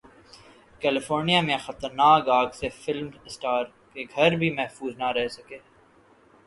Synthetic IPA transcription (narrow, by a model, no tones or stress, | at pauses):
kɛːlɪfoːɾnijamẽxɐt̪əɾnaːkaːɡsefɪlmsʈaːɾ | keɡʱɐɾbʱimɛɦfuːznaɾɛɦsɐkeː